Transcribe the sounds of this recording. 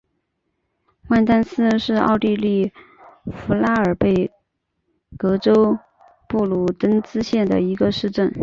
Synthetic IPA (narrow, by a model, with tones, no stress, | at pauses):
wa˥˧nt̪a˥nsɹ̩˥ʂɻ̩˥˧ɑ̰˥˧ʊt̪i˥˧li˥˩ | fu˧˥la˥ə˞˨˩pe˥˩ɪ | kɤ˧˥ʈ͡ʂo˥ʊ | pu˥˩lu˥˩t̪ə˥ŋt͡sɹ̩˥ɕjɛ˥˩nd̪ə̰˩i˧˥ɡə˧ʂɻ̩˥˧ʈ͡ʂə˥˩n